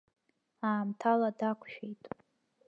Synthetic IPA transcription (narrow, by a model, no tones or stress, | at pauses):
aːmtʰaladakʷʰʃᶣejtʼ